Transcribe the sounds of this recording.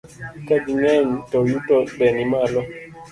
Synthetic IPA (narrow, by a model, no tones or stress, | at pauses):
kɛdiŋɛntɔjutɔɗɛnimalɔ